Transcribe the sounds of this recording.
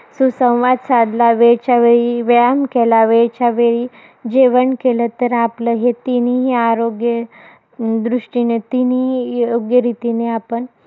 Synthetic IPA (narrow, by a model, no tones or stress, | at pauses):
susə̃w̃ʋad̪sad̪laʋeɭt͡ɕaʋeɭiʋeamkelaʋeɭt͡ɕaʋeɭiː | d͡ʑeʋəɳkelət̪əɾapləɦet̪iniɦiaɾoɡjə | d̪ɾuʂʈinet̪inioɡjəɾit̪ineapəɳ